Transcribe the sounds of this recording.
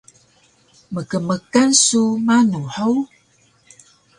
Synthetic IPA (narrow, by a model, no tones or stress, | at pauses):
məkəməkansumanuħəw